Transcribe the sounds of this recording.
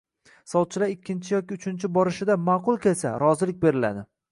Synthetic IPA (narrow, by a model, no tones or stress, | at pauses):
sɒt̪̚t͡ʃʰːɪlaɾɪkʲʰːɪnt͡ʃʰɪjɒkʲɪʊt͡ʃʰɪnt͡ʃʰɪbɒɾɪʃɪd̪amaːqʊlˠkʲe̞lsa̰ɾɒzɪlɪk̚ʲbe̞ɾɪla̰d̪ɪ